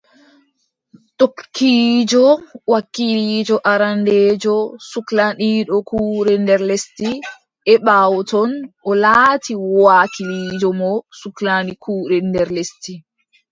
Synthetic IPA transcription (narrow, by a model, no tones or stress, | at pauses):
tokːiːd͡ʒɔwakːilid͡ʒɔʔaɾandeːd͡ʒɔsuklaniːɗɔkʰuːɾɛndɛɾlesti | ʔɛɓawtɔnʔɔlaːtʰiwakʰiliːd͡ʒɔmɔsuklanikʰuːɾɛndɛɾlesti